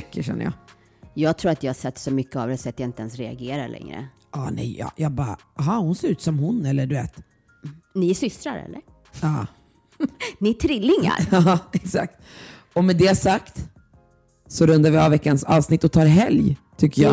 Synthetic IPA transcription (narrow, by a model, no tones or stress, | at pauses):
ɛkːəɕɛ̰nːə̰jɑ̰ː | jɑːɡt̪ʰɾuːɾat̪jɑhasɛt̪ːsɔmʏkːəavd̪ɛsɔat̪jaɪnt̪əɛnsɾɛa̰ɡeːɾaɭʔɛ̰ŋɾə̰ | ɑːnɛ̰jɑ̰ːjʔɑːɡ̚bɑːɾ | ɦɑːhʊnseːɾʉ̟ːt̪sɔmhʊnɛlːəɖɵveːt̪ | nɪsʏst̪ɾaɾɛ̰lːə̰ɾ | ɑː | nɪʈ̪ʰɾɪlːɪŋa̰ɾɑːɛksa̰k̚t̪ | ɔmɛd̪ɛasakt̪ | sɔɾɵnd̪aɾvɪavːɛkːansɑːvsnɪt̪ːɔt̪ʰɑːɾɦɛljt̪ʰʏkːəjɑ